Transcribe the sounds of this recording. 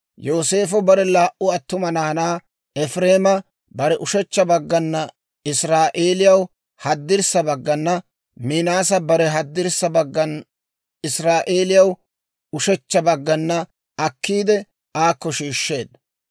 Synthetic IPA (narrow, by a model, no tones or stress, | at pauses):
joːseːfɔbɐɾɛlaːʔʊɐt̪ːʊmɐnɐːnaː | ɛfɾe̞ːmɐ | bɐɾɛʔʊʃɛt͡ʃːɐbɐɡːɐnːɐ | ɪsɾaːʔe̞ːlɪjɐw | hɐd̪ːɪɾsɐbɐɡːɐnːɐ | mɪnaːs̬ɐbɐɾɛɦɐd̪ːɪɾsɐbɐɡːɐn | ɪsɾaːʔeːlɪjɐw | ʊʃɛt͡ʃːɐbɐɡːɐnːɐ | ɐkːiːd̪ɛ | aːkːɔʃiːʃːe̞ːd̪